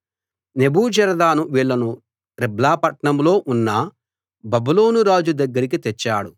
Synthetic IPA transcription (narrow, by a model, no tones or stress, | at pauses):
ne̞buːd͡ʒɛɾɐd̪aːnuʋiːɭːɐnu | ɾiblaːpɐʈɳɐmlo̞ːʔunːɐ | bɐbuloːnuɾaːd͡ʒud̪ɐɡːɐɾikit̪ɛt͡ʃːaːɽu